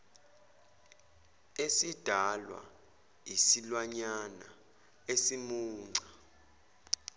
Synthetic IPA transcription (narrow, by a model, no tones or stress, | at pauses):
esid̥ʱalwa̰ | isilwaɲana̰ | esimuːŋ͡ǀʱa